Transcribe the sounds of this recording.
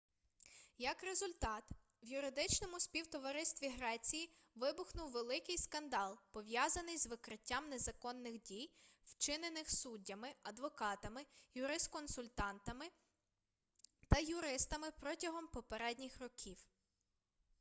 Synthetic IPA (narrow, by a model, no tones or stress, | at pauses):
jɐkɾe̞zʊlʲt̪ɑt̪ | ʋjʊɾɪd̪ɪt͡ʃnɔmʊsʲpʲiwt̪ɔʋɐɾɪst̪ʋʲiɦɾɛt͡sʲiji | ʋɪbʊxnʊwʋelˠɪkɪjskɐnd̪ɑlˠpɔʋʲjɑzɐnɪjzʋɪkɾɪtʲːamnezɐkɔnːɪxdʲijwt͡ʃɪnenɪxsudʲːɐmɪɐd̪ʋɔkɑt̪ɐmɪjʊɾɪst̪kɔnsʊlʲt̪ɑnt̪ɐmɪ | t̪ɐjʊɾɪst̪ɐmɪpɾɔtʲɐɦɔmpɔpeɾɛdʲnʲixrɔkʲʰiw